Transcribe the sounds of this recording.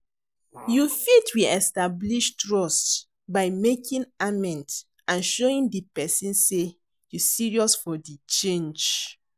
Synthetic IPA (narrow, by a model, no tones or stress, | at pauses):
jufitʰwiɛstabliʃtɹɔst | baɪmekʰĩnamɛ̃nt | ãnʃoĩndipɛsĩnse | jusiɹiɔsfɔdit͡ʃẽnd͡ʒ